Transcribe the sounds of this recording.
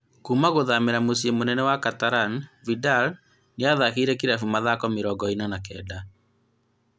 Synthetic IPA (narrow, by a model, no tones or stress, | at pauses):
kumaɣoðameɾamos̬iemonɛnɛwakataɾanvidal | neaðakeːɾɛkiɾafumaðakɔmeɾɔɡɔinanakɛ̰ːda